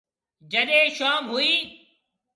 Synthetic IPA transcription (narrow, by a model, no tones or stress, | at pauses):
d͡ʒəɗẽːʃaːmɦʊiː